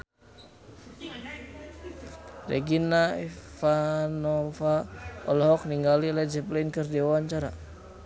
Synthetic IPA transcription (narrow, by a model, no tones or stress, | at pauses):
rɛ̰ɡinaɛfanɔfaɔlɔɦɔk̚niŋɡalilɛd͡ʒɛplinkərdiawaɲt͡ʃaɾa